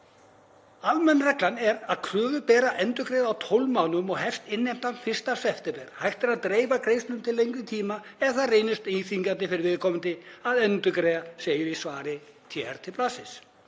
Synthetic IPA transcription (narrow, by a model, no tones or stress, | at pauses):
almɛnrɛklanɛɾaðkʰɾœːvʏpɛːɾaʔɛnt̪ʏkɾeːðawt̪ʰowlmaːwnʏmɔɣɦɛft̪ɪnːejm̥t̪anfɪr̥st̪asɛft̪ɪpɛɾ̥hajht̪ɛɾaðt̪ɾeːjvakɾeːjst̪lʏmt̪ʰɪlːejŋkvɪt̪ʰiːmaɛθareːjnʏst̪iθiŋkant̪ɪfɪɾɪɾvɪðkʰɔːmʏnt̪ɪaðɛnt̪ʏkɾɛðaseːjʏɾisvaːɾɪt̪ʰjɛɾ̥t̪ʰɪlplasɪs